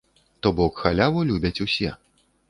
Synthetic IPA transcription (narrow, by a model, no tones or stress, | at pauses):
t̪ɔbɔkxalʲavulʲubʲɐt͡sʲusʲɛ